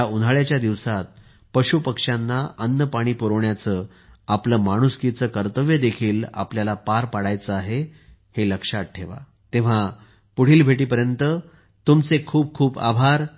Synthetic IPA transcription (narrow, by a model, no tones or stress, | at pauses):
aunaɭjat͡ɕjad̪iʋsat̪̚ | pəɕupəkʂanːaənːəpaɽ̃iːpuɾəʋɳjat͡səː | apləːmaɽ̃uskit͡səkəɾt̪əʋjəd̪ekʰiːla̰pljalapaɾpaɽajt͡səaɦe | heləkʂat̪̚ʈʰeʋa̰ | t̪ẽʋ̤a | puɽ̤iːlbʱeʈ̬iːpəɾjənt̪ə | t̪umt͡sekʰuːb̚kʰuːba̰bʱaɾ